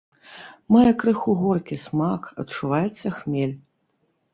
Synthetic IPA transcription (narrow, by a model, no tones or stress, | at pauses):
mɔjɐkɾɨxuɣɔrkʲismakɐ̰tt͡ʂːuvajɛt̪sːɐxmʲelʲ